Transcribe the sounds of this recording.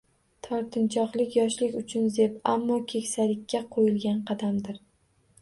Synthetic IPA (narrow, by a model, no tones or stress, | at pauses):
t̪ʰɒɾt̪ʰɪnt͡ʃʰɒqlˠɪkʲjɒʃlɪkʲʊt͡ʃʰʊnze̞pamːɒkʲʰe̞kʲsalɪkʲːaqʰojɪlɡʲanqʰɑd̪amd̪ɪɾ